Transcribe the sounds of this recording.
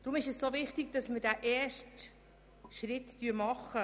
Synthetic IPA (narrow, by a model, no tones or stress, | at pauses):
d̥ɾʊmɪʃɛssoːvɪχtiɡ̚d̥ɑsmədæʔɛːʃt | ʃɾɪttyːɾmɑχːə